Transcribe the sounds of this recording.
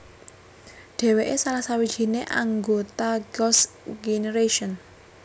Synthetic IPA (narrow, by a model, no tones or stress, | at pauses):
ɖ̥ɛ̤weʔesalasawid̥ʒ̥i̤neʔaŋɡot̪aɡɔsɡeneɾeʃɔn